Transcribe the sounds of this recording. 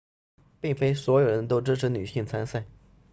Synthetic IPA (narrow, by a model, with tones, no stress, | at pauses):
pi˥˩ŋfe˥ɪswɔ˧˥jo˨ʊɻə˧˥nt̪̬o˥ʊʈ͡ʂɻ̩˥ʈ͡ʂʰɻ̩˧˥ny˨˩ɕi˥˩ŋt͡sʰa˥nsa˥˩ɪ